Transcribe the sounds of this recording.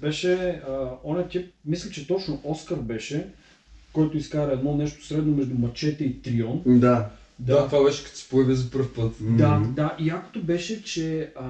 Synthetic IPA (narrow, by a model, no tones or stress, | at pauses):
bɛʃɛ | ɔnɛt̪ʲip̚mislʲit͡ʃɛt̪ɔt͡ʃnoʔɔskəɾbɛʃɛ | kɔjt̪oiskaɾɐɛd̪nɔnɛʃt̪o̥sɾɛd̪nomɛʒd̪umɐt͡ʃɛt̪ɛit̪ɾiɔnd̪a | d̪at̪vabɛʃɛ̥kɐt̪sɛ̥pojɐvizɐpɤɾfpɤt̪d̪ad̪aʔiako̥t̪obɛʃɛt͡ʃɛ